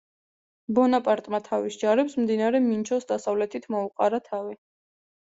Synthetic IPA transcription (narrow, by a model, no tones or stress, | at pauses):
bɔnapʼaɾt̪ʼmat̪ʰavisd͡ʒaɾɛpsmd̪inaɾɛmint͡ʃʰɔsd̪asavlɛt̪ʰit̪ʰmɔuqʼaɾat̪ʰavi